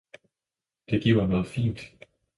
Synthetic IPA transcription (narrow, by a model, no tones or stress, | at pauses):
d̥e̝ɡ̥iɐ̰hɑmnɔ̽ːð̩ˠfḭːnd̥